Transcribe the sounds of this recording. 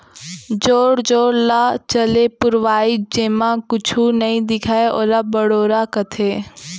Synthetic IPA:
d͡ʒoːɽd͡ʒoːɽlat͡ʃəlepʊɾʋaːid͡ʒẽːmãkʊt͡ʃʰunɐĩd̪ɪkʰaːeʔoːlabəɽoːɾakət̪ʰeː

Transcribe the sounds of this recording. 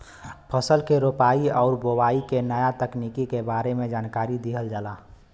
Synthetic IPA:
pʰəsəlkeɾoːpaːiɔːʊɾbowaːikenəjat̪əknikikebaːɾemẽd͡ʒaːnkaːɾid̪iɦəld͡ʒala

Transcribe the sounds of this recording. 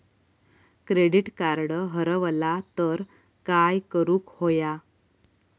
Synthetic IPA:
kɾeɽiʈkaɾɽəɦəɾəʋlat̪əɾ | kajkəɾũːkhoja

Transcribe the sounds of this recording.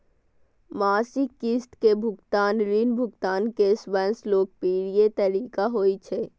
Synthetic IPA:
maːsikːisʈ̪kebʱʊkt̪aːnɾiːnbʱʊkt̪aːnkeswə̃nsloːɡ̚piːɾiet̪ɐɾiːkaɦoːit͡ʃʰeː

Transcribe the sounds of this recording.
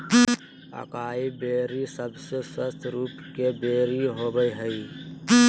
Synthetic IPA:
ə̰kaːibeːɾisəbseswəst̪ʰɾuːpkebeːɾiɦoːbəjɦəi

